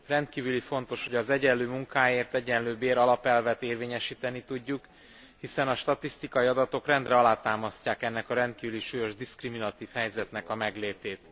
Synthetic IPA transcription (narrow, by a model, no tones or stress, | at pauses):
rɛnt̪kiːvylifo̞n̪t̪o̞ʃhoɟɒzɛɟɛnløːmuŋkaːjeːrt̪ɛɟɛnløːbeːɾɒlɒpɛlvɛt̪eːrveːɲɛʃiːt̪ɛnit̪uɟːuk | hisɛnɒʃt̪ɒt̪ist̪ikɒiɒd̪ɒt̪o̞krɛnd̪rɛɒlaːt̪aːmɒscaːkɛnːɛkɒɾɛnt̪̚kiːvyliʃuːjo̞ʒd̪iskriminɒt̪iːfhɛjzɛt̪nɛkɒmɛɡleːt̪eːt̪